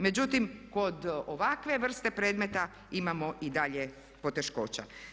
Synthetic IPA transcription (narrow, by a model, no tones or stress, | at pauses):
me̞d͡ʑut̪imko̞d̪oʋakʋe̞ʋr̩st̪e̞pɾeːd̪me̞t̪a | imamo̞ʔid̪aʎe̞ | po̞t̪e̞ʃko̞ːt͡ɕa̰